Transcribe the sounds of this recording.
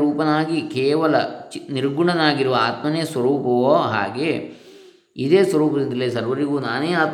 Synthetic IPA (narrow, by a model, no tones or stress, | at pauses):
ɾuːpɐnaːɡikɛːʋɐlɐt͡ʃniɾɡuɳɐnaːɡiɾuʋɐaːt̪mɐneːsʋɐɾuːpɐʋoːɦa̰ːɡeː | id̪eːsʋɐɾuːpɐd̪ind̪ɐleːsɐɾʋɐɾiɡuːnaːneːaːt̪